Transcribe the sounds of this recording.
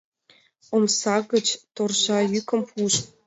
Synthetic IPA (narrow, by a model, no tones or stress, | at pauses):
omsɑɣə̆t͡ɕt̪orʑɑjykə̆mpʰuʃ